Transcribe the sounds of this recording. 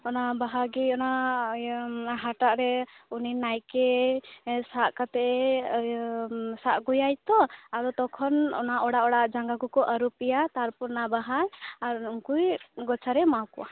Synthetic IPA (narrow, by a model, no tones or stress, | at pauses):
ɔnabaɦaɾɡiɔna | ɦaʈaʔɾɛuninajkɛ | saʔkat̪ɛʔɛ | saʔɡujajt̪ɔaɾɔt̪ɔkʰɔnɔ̰naʔɔɽaʔɔɽaʔd͡ʒaŋɡakɔkɔʔəɾupijat̪aɾpɔɾnabaɦaɾaɾuŋkujɡɔt͡ʃʰaɾɛmawkɔʔa